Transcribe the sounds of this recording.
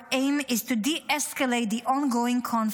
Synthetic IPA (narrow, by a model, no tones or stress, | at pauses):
ẽɪmɪztudiʔɛskəleɪt̚d̪iʔɔ̃nɡoːɪ̃ŋkʰɔ̃n